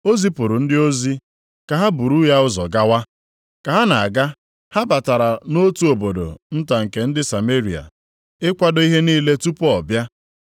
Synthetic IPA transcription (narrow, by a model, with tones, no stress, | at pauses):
o˦zi˦pʊ˨ɾʊ˨n̩˦dɪ˦o˦zi˦ | ka˨ɦa˦bu˨ɾu˦ja˦ʊ˦zɔ˨ɡa˦wa˦ | ka˨ɦa˦na˨a˨ɡa˦ | ha˦ba˨ta˨ɾa˨no˦tu˦o˨bo˨do̰˨n̩˦ta˨ŋ̩˨ke˨n̩˦dɪ˦sa˨me˦ɾi˨a̰˨ | ɪ˦kʷa˦dɔ˦i˦ɦe˦niː˦le˦tu˦pɔ˨bja˦